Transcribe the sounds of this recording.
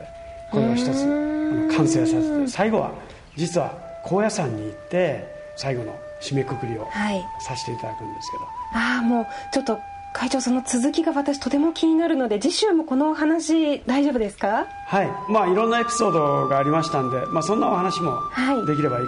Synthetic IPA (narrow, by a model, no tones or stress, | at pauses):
kkʰoeoçi̥t̪ot͡sɨkʰãɰ̃seːsaet̪ːesaiɡo̞βa̰ | d͡ʑit͡sɨβa̰ | kʰo̞ːjasãɲ̟ːiːt̪ːe̞ | saiɡo̞no̰ | ɕime̞kɯkɯ̟ɾʲio̞̰haisaɕi̥t̪eit̪ad̪akɯ̟̃nd̪esɨ̥ke̞d̪o̞aːmo̞ː | t͡ɕo̞t̪ːo̞ | kʰait͡ɕo̞ːso̞no̞t͡sɨzɨkʲiɡaβat̪aɕ̬i̥t̪o̞t̪e̞mo̞kʲʰiɲ̟inaɾɯ̟nod̪e̞d͡ʑiɕɨmo̞ko̞no̞ːɦanaɕid̪aiʑo̞ːbɯ̟d̪e̞sɨ̥ka | haimaːiɾõ̞nːae̞pʲi̥so̞ːd̪o̞ɡaːɾʲimaɕi̥t̪ãnd̪e̞maːsõ̞nːao̞hanaɕimo̞̰haid̪e̞kʲiɾe̞bai